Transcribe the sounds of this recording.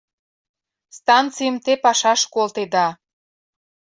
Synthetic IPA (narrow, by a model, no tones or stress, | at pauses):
st̪ɑnt͡sijəmt̪epɑʃɑʃkolt̪ed̪ɑ